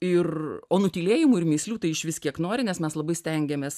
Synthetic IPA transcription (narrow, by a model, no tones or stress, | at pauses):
ɪroːnʊt̪ʲiːlʲeːjɪmʊːɪɾmʲiːsʲlʲuːt̪ɐɪɪʃʋʲɪskʲiɛknoːɾʲɪnʲɛsmʲɛslˠɐbɐɪsʲt̪ʲɛŋʲɡʲɛmʲeːs